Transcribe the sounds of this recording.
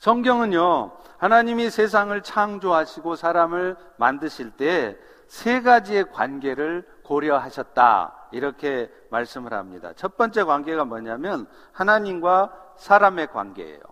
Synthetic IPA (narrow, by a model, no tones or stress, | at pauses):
sʰʌŋɡjʌŋɯnjohanaɲimisʰes̬ʰaŋɯɭt͡ɕʰaŋd͡ʑoɦaɕʰiɡosʰaɾamɯɭ | ma̰ndɯɕʰiɭt͈e̞ | sʰe̞ɡad͡ʑie̞kwa̰nɡe̞ɾɯɭkoɾjʌɦaɕʰʌt̚t͈a̰iɾʌkʰe̞ | maɭs͈ɯmɯɾha̰mɲida̰t͡ɕʰʌt̚p͈ʌnt͡ɕ͈e̞kwanɡe̞ɣamʌɲamjʌn | hanaɲimɡwasʰaɾame̞kwa̰nɡe̞̰ḛjo̰